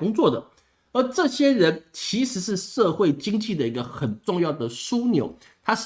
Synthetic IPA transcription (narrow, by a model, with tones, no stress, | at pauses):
ʊ˥ŋt͡swɔ˥˩d̪ə˩ | ə˞˧˥ʈ͡ʂɤ˥˩ɕjɛ˥ɻə˧˥nt͡ɕʰi˧˥ʂɻ̩˧˥ʂɻ̩˥˧ʂɤ˥˧xwe˥˩ɪt͡ɕi˥ŋt͡ɕi˥˩d̪ə˩i˧˥ɡə˧xə˨˩nʈ͡ʂʊ˥˧ŋjɑ˥˩ʊd̪ə˩su˥njo˧˥ʊ | t̪ʰa˥ʂ